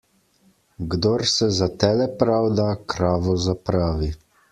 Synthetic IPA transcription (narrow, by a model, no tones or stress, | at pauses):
ɡd̪oɾsɛzat̪ɛlɛpɾawd̪akɾaːʋɔzapɾaːʋi